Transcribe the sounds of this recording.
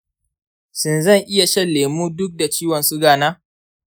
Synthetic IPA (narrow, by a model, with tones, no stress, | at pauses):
sɪ˨nzɐ˦˨ŋʔɪ˦ja˨ʃɛ˦leː˨muː˦dʊ˦k̚da˨t͡ʃiː˦wɐ˨nsu˦ɡaː˨naː˦